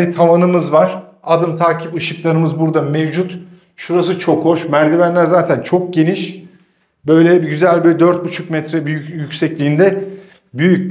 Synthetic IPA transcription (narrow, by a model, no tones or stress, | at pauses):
it̪ʰamanɯmɯzvaɾ̥ad̪ɯmt̪ʰaːcʰipɯʃɯklˠaɾɯmɯzbuɾd̪amevd͡ʒut̪ | ʃuɾas̬ɯt͡ʃʰo̞kho̞ʃmæɾd̪imænlʲæɾzaːt̪ʰænt͡ʃʰo̞k̚ɟe̞niʃ | bøjlʲɛbiɟyzælʲbild̪ø̞ɾt̪̚but͡ʃʰukmɛt̪ɾɛbyyjycʲsɛclʲiːnd̪ɛ | byjyc̪̚